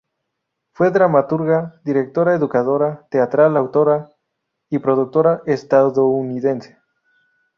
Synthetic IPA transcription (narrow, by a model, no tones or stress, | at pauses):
fweðɾamat̪uɾɣad̪iɾek̚t̪oɾaeðukaðoɾat̪eat̪ɾalawt̪oɾa | ipɾoðuk̚t̪oɾaʔest̪aðouniðense̥